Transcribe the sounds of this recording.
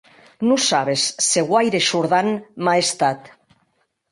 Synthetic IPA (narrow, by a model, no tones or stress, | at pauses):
nusaβ̞esːeɣwajɾeʃuɾð̞anmaest̪at̪